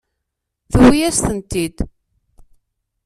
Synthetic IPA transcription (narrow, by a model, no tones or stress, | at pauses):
θəwːijæst̪ənt̪id̪